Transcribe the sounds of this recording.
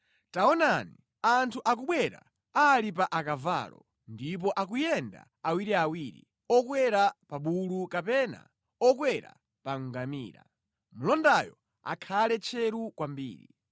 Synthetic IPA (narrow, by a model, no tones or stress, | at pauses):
taɔnani | antʰuʔak̬uɓwɛɾa̰ | alip̬aʔakava̰lɔ | ndip̬ɔʔakujɛnda̰ | awiɾiawiɾḭ | ɔkwɛɾapaɓulukapɛːna̰ | ɔk̬wɛɾa̰ | paŋ̩ɡamḭːɾa̰ | mulɔndajɔ | a̰kʰalɛt͡ʃʰɛɾukwambḭːɾḭ